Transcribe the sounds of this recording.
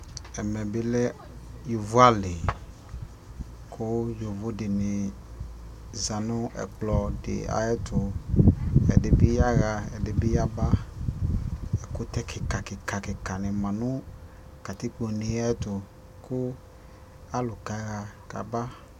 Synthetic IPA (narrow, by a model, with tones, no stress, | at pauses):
ɛ˨mɛ˨bi˦lɛ˦ | ju˨vu˦a˦le˨ | kʰʊ˦jo˨vo˦dɪ˨nɪ˨ | za˨nʊ̃˦ʔɛ̰˨k͡plɔ˨dɪ̰˨a̰˨ɛ˦t̪ʊ˨ | ɛ̰˨de˨bi˦ja˦ɣa˧ɛ̰˨de˨bi˦ja˦ba˦ | ɛ˨kʊ˦t̪ɛ˦ki˨ka˨kɪ˨ka˨kɪ˨ka˨nɪ̃˨mã˨nũ˦ | ka˨t̪i˦k͡po˨ni˨˦a˦ɛ˦t̪ʊ˨ | kʊ˦ | a˦lʊ˨ka˨˦ɣa˧ka̰˨ba˦